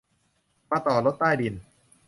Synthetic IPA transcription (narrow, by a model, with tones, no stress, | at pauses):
maː˧˩t̪ɔː˨˩lo˦˥t̪̚ːaː˥˩jdi˧n